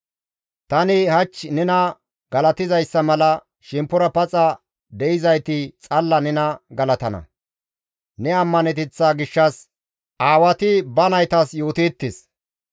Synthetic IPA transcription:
t̪ɐnɪhɐt͡ʃːnɛnɐ | ɡ̥ɐlɐt̪ɪzɐjsːɐmɐlɐ | ʃɪmpːʊɾɐpɐt͡sʼɐ | d̪ɛʔɪzɐjt̪ɪt͡sʼɐlːɐnɛnɐɡɐlɐt̪ɐnɐ̰ | nɛɐmːɐnɛt̪ɪt͡sːaːɡɪʃːɐs | ʔaːwɐt̪ɪbɐnɐjt̪ɐsjoːt̪iːt̪ːɪs

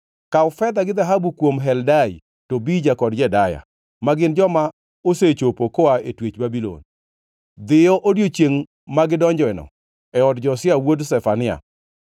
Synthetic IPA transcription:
kaʊfɛd̪aɡɪd̪aɦabukwomɦɛldaj | tobid͡ʒakɔdd͡ʒɛdaja̰ | maɡɪnd͡ʒɔma | oset͡ʃopokoaetwet͡ʃbabilo̰n | d̪ɪjɔʔodjot͡ʃjeŋ | maɡɪdɔɲd͡ʒɔɛnɔ̰ | ɛɔdd͡ʒɔsɪawodsɛfanɪa̰

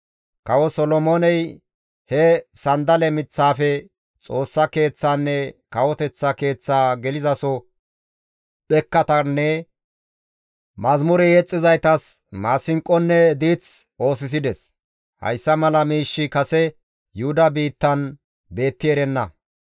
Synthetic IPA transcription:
kɐwɔsɔlɔmoːnɛj | hɛsɐnd̪ɐlɛmɪt͡sːaːfɛ | t͡sʼo̞ːsːɐke̞ːt͡sːaːnːɛkɐwɔt̪ɛt͡sːɐke̞ːt͡sːaːɡɛlɪzɐsɔ | ɓɛkːɐt̪ɐnːɛ | mɐzmʊɾɛjɛt͡sʼːɪzɐjt̪ɐs | maːsɪŋkʼːɔnːɛd̪iːt͡so̞ːs̬ɪs̬ɪd̪ɛs | hɐ̰jsːɐmɐlɐmiːʃːɪkɐsɛ | jʊhʊd̪ɐbiːt̪ːɐn | be̞ːt̪ːɪɛɾɛnːɐ

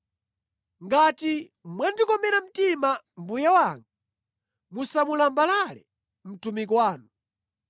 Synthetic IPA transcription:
ŋɡati | mwɛndikɔmɛɾam̩tima | mbujawaŋɡa | musamulambalalɛ | m̩tumikwaːnu

